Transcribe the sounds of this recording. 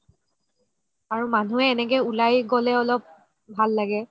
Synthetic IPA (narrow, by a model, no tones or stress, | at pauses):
aɹumanuɛːnɛkɛulajɡɔlɛɔlɔp̚ | bʱalːaɡɛ